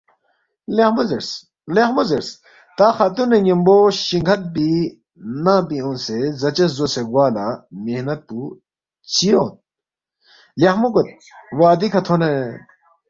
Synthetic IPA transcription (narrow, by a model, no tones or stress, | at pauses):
lehmuzeɾs | lehmuzeɾs | t̪aːxɐt̪uneɲimboɕiŋɡʰʱɐt̪̚bi | naːpiõnsezɐt͡ɕɐszoseɡwaːlamehnɐt̪̚pu | t͡ɕijoːt̪̚ | lɐhmuɡot̪̚ | waːd̪ikʰɐt̪ʰone